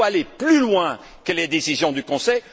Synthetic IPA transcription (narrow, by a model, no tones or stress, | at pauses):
aleplylwɛ̃ | kəled̪esizjɔ̃d̪ykɔ̃sɛj